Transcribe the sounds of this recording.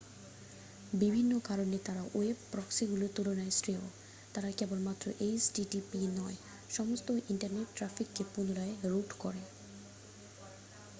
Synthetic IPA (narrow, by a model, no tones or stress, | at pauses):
bibʱinːokaɾonet̪aɾaʔoebpɾɔksiɡulot̪ulonaesʈɾeo | t̪aɾakɛbonmat̪ːɾoʔesɖiɖipinɔe | ʃɔmost̪oʔiɳʈaɾneʈːɾafikːepunolaeɾuʈkɔɾe